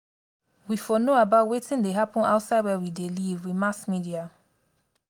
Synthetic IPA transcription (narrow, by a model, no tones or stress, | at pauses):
wifɔnoabaʊtwetĩndeɦapɔ̃na̰ʊtsaɪdwɛwidelivwimasmidia